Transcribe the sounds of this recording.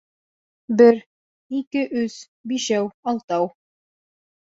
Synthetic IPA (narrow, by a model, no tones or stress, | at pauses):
bɘɾ | ikɘʔɵz | biʃæwɑlˠt̪ɑw